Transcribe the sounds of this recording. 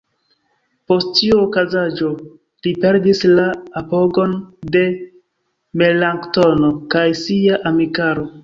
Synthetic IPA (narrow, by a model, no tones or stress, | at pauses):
po̞sttiuokazad͡ʒo̞ | lipe̞ɾdislaːpo̞ɡo̞nde̞ | me̞laŋkto̞no̞kajsiaʔamikaɾo̞